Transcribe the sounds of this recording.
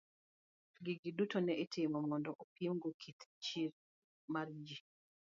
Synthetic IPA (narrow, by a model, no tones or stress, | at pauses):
ɡiɡidutɔnɛʔitɪmɔmɔndɔʔopimɡɔkʰit̪t͡ʃiɾ | maɾd͡ʒi